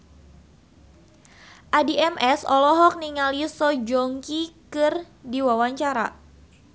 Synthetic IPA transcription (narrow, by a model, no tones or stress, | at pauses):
ʔadiɛmʔɛsɔlɔɦɔk̚niŋalisɔd͡ʒɔŋkikɨr | diwawaɲt͡ʃaɾa̰